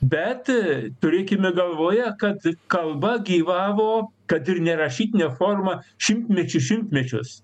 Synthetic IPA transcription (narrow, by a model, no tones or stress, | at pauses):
bʲɛt̪t̪ʊɾʲeːkʲɪmʲɪɡɐlˠʋoːjɛkɐt̪kɐlˠbɐɡʲiːʋɑːʋoːkɐt̪ɪɾnʲɛɾɐʃʲiːt̪ʲɪnʲɛfoːrmɐʃʲɪmʲt̪ʲmʲɛt͡ʃʲʊʃʲɪmʲt̪ʲmʲɛt͡ʃʲʊs